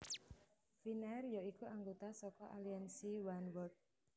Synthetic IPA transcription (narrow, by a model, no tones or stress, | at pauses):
finɛrjoikuʔaŋɡot̪asɔkɔʔaliansiwanwɔt̪̚